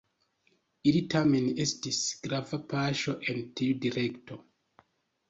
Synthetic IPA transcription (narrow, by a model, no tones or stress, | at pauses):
ilitamenestisɡ̥ɾavapaʃoʔentʰildiɾektʰo